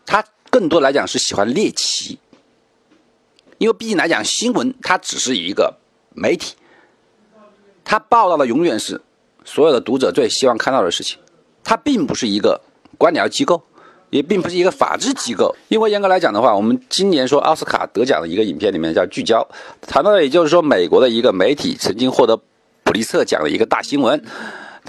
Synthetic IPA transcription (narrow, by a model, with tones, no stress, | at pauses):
t̪ʰa˥ | kɤ˥˩ŋt̪wɔ˥la˧˥ɪt͡ɕjɑ˨˩ŋʂɻ̩˥˩ɕi˨˩xwa˦˥nljɛ˥˩t͡ɕʰḭ˧˥ | i˥nwe˥˧ɪpi˥˧t͡ɕi˥˩la˧˥jɑ̰˨˩ŋɕi˥nwə˧˥nt̪ʰa˥ʈ͡ʂɻ̩˨˩ʂɻ̩˥˩i˧˥ɡə̰˧ | me˧˥ɪt̪ʰi̥˨˩˦ | t̪ʰa˥pɑ˥˧ʊt̪ɑ˥˩ʊd̪ə˩jʊ˧˥ŋɥɛ˨˩nʂɻ̩˥˩ | swɔ˧˥jo˨˩ʊd̪ə˦t̪u˧˥ʈ͡ʂɤ˨˩t͡swe˥˩ɪɕi˥wɑ˥˧ŋkʰa˥˧nt̪ɑ˥˩d̪ə˩ʂɻ̩˥˩t͡ɕʰi̥˩ŋ | t̪ʰa˥pi˥˩ŋpu˧˥ʂɻ̩˥˩i˧˥ɡə̰˧ | kwa˥nljɑ˧˥ʊt͡ɕi˥ko˥˩ʊ | jɛ˨˩p̬i˥˩ŋpu˧ʂɻ̩˥˩i˧˥ɡə˧fa̰˨˩ʈ͡ʂɻ̩˥˩t͡ɕi˥ko˥˩ʊi˥nwɪjɛ˥nkɤ˧˥la˧˥ɪt͡ɕjɑ˨˩ŋd̪ə˦xwa˥˩wɔ˨˩mə˦nt͡ɕi˥nnjɛ˧˥nʂwɔ˥ʔɑ̰˥˧ʊsɹ̩˥kʰa̰˨˩t̪ɤ˧˥t͡ɕjɑ̰˨˩nd̪ə̰˦i˧˥ɡə˧i˨˩npʰjɛ˥˩nli˨˩mjɛ˥˧nt͡ɕjɑ˥˧ʊt͡ɕy˥˩t͡ɕjɑ˥ʊt̪ʰa˧˥nt̪ɑ˥˩jɛ˨˩t͡ɕjo˥˧ʊʂɻ̩˥˩ʂwɔ˥me˨˩ɪkwɔ˧˥d̪ə˧i˧˥ɡə˧me˧˥ɪt̪ʰḭ˨˩t͡sʰə˧˥ŋt͡ɕi˥ŋxwɔ˥˩t̪ɤ˧˥ | pu˨˩li˧˥t͡sʰɤ˥˩t͡ɕjɑ̰˨˩ŋd̪ə̰˦i˧˥ɡə˧t̪a̰˥˩ɕi˥ŋwə˧˥n